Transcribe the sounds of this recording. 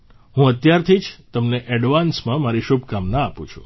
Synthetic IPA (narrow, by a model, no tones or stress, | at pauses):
ɦũət̪jaɾt̪ʰid͡ʒt̪əmneʔɛɖʋansmãmaɾiʃubkamnaːpṵ̃t͡ʃʰu̥̰